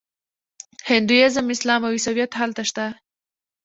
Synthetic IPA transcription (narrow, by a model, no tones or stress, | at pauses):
hɪnd̪ujɑzəmɪslɑmawisawjat̪ɦalt̪aʃt̪a